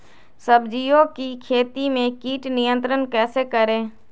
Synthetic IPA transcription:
səbd͡ʒijõkikʰeːt̪imẽkiːʈnɪjə̃nt̪ɾənkɛːsekəɾẽː

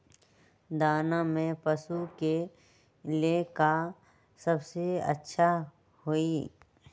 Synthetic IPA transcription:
d̪aːnamẽpɐsuke | leka | sɐbseə̰tːʃʰa | hoiː

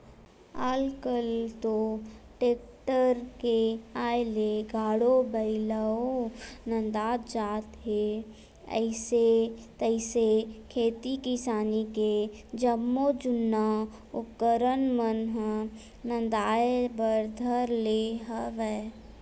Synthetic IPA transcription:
alkəlt̪oʈeːkʈəɾkeaːjleɡʱaːɽobəɪləonə̃nd̪aːt̪d͡ʒaːt̪ɦe | ə̰ɪset̪əɪsekʰeːt̪ikɪsaːniked͡ʒəmːod͡ʒʊnːa | ʊkːəɾənmənɦə | nə̃nd̪aːebəɾd̪ʱəɾleɦəʋɛ

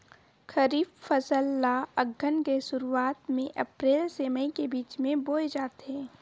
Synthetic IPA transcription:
xɐɾiːffɐzəlːaɐɡʱːənkesʊɾuaːt̪mẽʔɐpɾeːlseməĩkebiːt͡ʃmẽboːjd͡ʒaːt̪ɦɛ̃ː

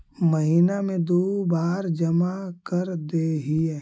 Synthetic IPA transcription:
məɦiːnamẽd̪oːbaːɾd͡ʒɐmakəɾd̪eːɦiɛ

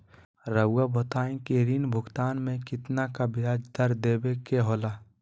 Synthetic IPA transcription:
ɾəabɐt̪aːẽkeɾiːnbʱʊɡt̪aːnmẽkɪt̪nakabɪaːd͡ʒd̪əɾd̪eːbekeɦoːlaː

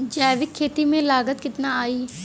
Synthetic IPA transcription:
d͡ʒaːjʋɪkʰːeːt̪imẽlaːɡət̪kɪt̪naaːiː

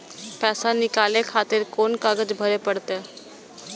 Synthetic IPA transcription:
pɛːsanɪkaːlẽkʰaːt̪ɪɾkoːnkaɡəd͡ʒbʱəɾepəɽt̪e

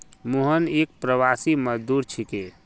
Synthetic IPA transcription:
muɦənek̚pɾəwasiməd͡ʒd̪uɾt͡ʃʰike

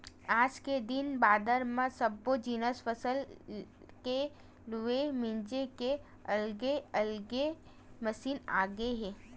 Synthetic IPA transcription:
aːd͡ʒked̪ɪnbaːd̪əɾmãsɐbːod͡ʒiːnəsfəsəl | ke | luemɪ̃nd͡ʒeke | ɐlɡeɐlɡe | məsiːna̰ːɡeɦɛ̃ː

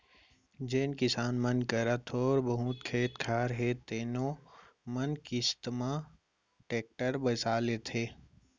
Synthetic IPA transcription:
d͡ʒeːnkɪsaːnmənkəɾət̪ʰɔːɾbɐɦũːt̪kʰeːt̪kʰaːɾɦeːt̪ːeːno | mənkist̪maː | ʈeːk̚ʈəɾbəsaːlet̪ʰeː

